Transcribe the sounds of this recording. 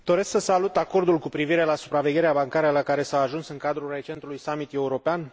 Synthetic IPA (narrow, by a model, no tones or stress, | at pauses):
d̪o̞ɾe̞sksəsalut̪ako̞rd̪ulkupɾiviɾe̞lasupɾave̞ɡʲe̞ɾeabaŋkaɾəlakaɾe̞saaʒunsɨŋkad̪ɾure̞t͡ʃe̞nt̪ulujsamit̪e̞uɾo̞pean